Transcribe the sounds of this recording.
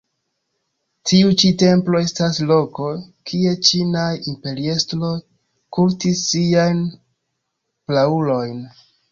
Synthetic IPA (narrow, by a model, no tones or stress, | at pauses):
tʰiut͡ʃite̞mplo̞e̞staslo̞ko̞kʰie̞t͡ʃinaimpe̞ɾiestlo̞ | kuɾtisːiajn | plaulo̞jn